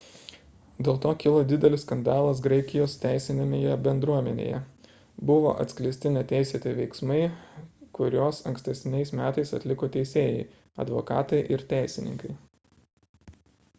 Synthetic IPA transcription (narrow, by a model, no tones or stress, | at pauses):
d̪ʲeːlˠt̪oːkʲɪlˠɐd̪ʲɪd̪ʲɛlʲɪskɐnd̪ɑːlˠɐs̬ɡɾɐɪkʲɪjoːst̪ʲæˑɪsʲɪnʲmʲejɛbʲɛnd̪ɾuɔmʲɛnʲḛːjɛ̰ | bʊʋo̰ːʔɐ̰t̪sklʲɪsʲt̪ʲɪnʲɛt̪ʲæˑɪsʲeːt̪ʲeʋʲɛɪksmɐɪkʊɾʲoːsɐŋksʲt̪ʲɛsʲnʲɛɪsmʲæːt̪ɐɪsɐ̰t̪ʲlʲɪkoːt̪ʲɛɪsʲeːjɛɪ | ɐ̰d̪ʋo̰ːkɑ̰ːt̪ɐɪʔɪɾt̪ʲæˑɪsʲɪ̰nʲɪ̰ŋkɐɪ